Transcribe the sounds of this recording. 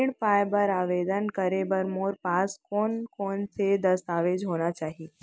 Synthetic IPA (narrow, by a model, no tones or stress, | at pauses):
iɽpaːjbəɾaːʋeːd̪ənkəɾebəɾmoːɾpaːskoːnkoːnsed̪ɐst̪aːʋed͡ʒɦoːnat͡ʃaːɦi